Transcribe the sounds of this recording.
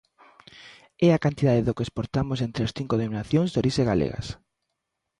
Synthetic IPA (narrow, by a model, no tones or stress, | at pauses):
ɛakant̪iðaðeðokespoɾt̪amoʊsent̪ɾeasθiŋkoðeminaθjõŋzðoɾiʃeɣalḛɣa̰s